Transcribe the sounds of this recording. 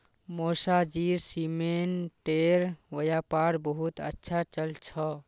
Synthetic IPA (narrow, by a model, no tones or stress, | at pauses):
mosad͡ʒiɾsimenʈeɾʋəjapaɾbəɦut̪ə̰tːʃʰat͡ʃəlt͡ʃʰɔ